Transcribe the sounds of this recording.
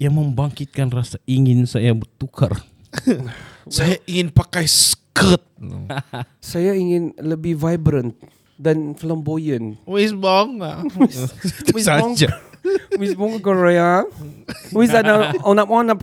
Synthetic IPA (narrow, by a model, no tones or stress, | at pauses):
jaŋməmbaŋkɪt̪̚kanrasaiŋɪnsajabərt̪ukʰa̰r | sajaʔiŋɪnpakajsə̥kət̪̚ | sajaiŋɪnləbihvajbɾə̃nt̪̚ | dãnfləmbojə̃nwisbɔŋ | waŋd͡ʒawisbɔŋkoɾea | wisanaɔnapɔnap